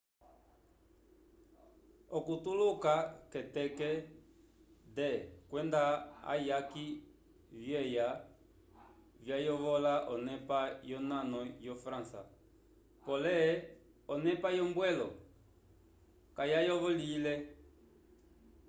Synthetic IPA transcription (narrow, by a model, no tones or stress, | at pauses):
ɔkutulukakɛtɛkɛ | dɛkwɛndaa̰jaki | vjɛja | vjajɔβɔlaʔɔnɛpajɔnanɔjɔfɾãsa̰ | pɔlɛ | ɔnɛpajɔmbwɛlɔ | kajajɔβɔlilɛ